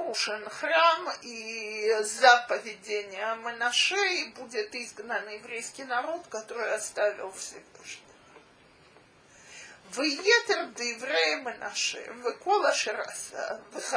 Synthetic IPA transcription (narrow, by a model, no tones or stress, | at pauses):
uʂɨnxrami | zapəvʲɪdʲenʲɪjəmənɐʂɛbudʲɪt̪izɡnənjɪvɾʲejskʲɪjnɐɾo̞t̪kɐt̪o̞ɾɨjɐst̪avʲɪ̰lˠfsʲɪvɨʂnʲɪv | vɨjet̪ərd̪ɨjɪvɾʲejɪmɨnʔa̰ʂɛ̰vɨkolˠəʂɨɾa̰sə̰vɨ